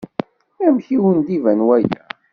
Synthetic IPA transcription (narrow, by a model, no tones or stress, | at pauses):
æmçiwənd̪ivænwæjæ̰